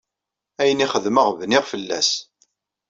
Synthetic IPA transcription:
æjəniχəðməʁvnɪʁfəlːæ̰s

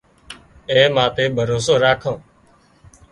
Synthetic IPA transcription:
ẽːmãːt̪eːbʱəɾoːsoːɾaːkʰõː

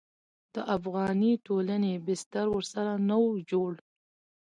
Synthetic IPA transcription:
d̪̥əʔafɣɑniʈolanebɪst̪aɾwəɾsaɾanawd͡ʒoɽ

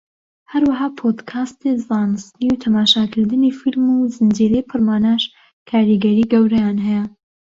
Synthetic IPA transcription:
hɐɾwɐɦɑːpʰod̪kʰaːst̪ezɑːnɨst̪niwt̪ʰɐmaːʃakʰɨɾd̪ɨnifilmuzɨnd͡ʒiɾɛjpʰɨɾmaːnaːʃ | kʰaːɾiɡɐɾiːɡɐwɾɐjaːnɦɛjɛ

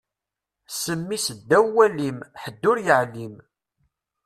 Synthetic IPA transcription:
səmːisəd̪ːæwːælimħəd̪ːʊɾjəʕlim

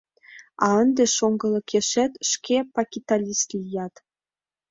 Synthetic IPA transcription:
ɑə̆nd̪ĕʃoŋɡɤ̆lɤ̆kʰeʃĕt̪ʃkʲʰepɑkʲit̪ɑlʲist̪lʲijɑt̪

